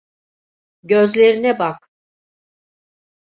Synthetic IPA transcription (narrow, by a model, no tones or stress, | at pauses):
ɟøzlʲe̞ɾinɛbak